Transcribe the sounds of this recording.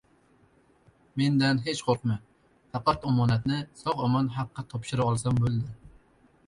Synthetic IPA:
mend̪ɛnɦet͡ʃqʰoɾqmɨ | fɑqɑt̪ɑmɑːnɛt̪nɪsɑʁɑmɑnɦaqʰːɑt̪ʰɑpʃɪɾɑɑlˠsɑmbølˠd̪ɪ

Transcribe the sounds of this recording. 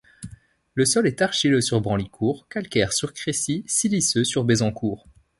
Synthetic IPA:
ləsɔlɛt̪aʁʃiløsyʁbʁɑ̃likʰuːʁkalkʲɛʁsyʁkχesisilisøsyʁbezɑ̃kʰuːʁ

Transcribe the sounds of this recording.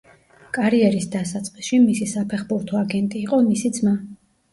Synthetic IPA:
kʼaɾiɛɾisd̪asat̪sʼqʼisʃimisisapʰɛχbuɾt̪ʰɔaɡɛnt̪ʼiːqʼɔmisid̪zma

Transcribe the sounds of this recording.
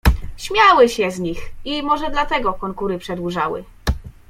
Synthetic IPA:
ɕmʲjawɘɕɛzɲiximɔʐɛd̪lat̪ɛɡɔkɔŋkuɾɘpʂɛd̪wuʐawɘ̰

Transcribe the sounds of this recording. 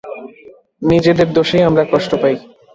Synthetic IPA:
nid͡ʑed̪eɾd̪oʃejamɾakɔʃʈopaj

